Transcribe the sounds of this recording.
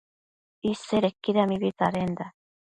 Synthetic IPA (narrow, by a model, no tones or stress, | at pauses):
iseɾekːiɾamiβit̪aɾend̪a